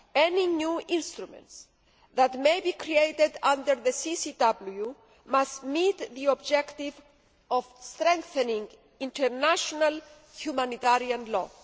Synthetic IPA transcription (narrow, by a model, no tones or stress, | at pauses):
ɛninuĩnst̪ɾumɛ̰̃nt̪s | ðat̪mejbikɾiejt̪ed̪ãnd̪əɾðəsisid̪ablju | mast̪mit̪ðiɔbd͡ʒɛkt̪iv | ɔvst̪ɾɛ̃ŋkθenĩŋɡ | ĩnt̪ɛɾnaʃonal | hjumãnit̪aɾiãnlɔ̰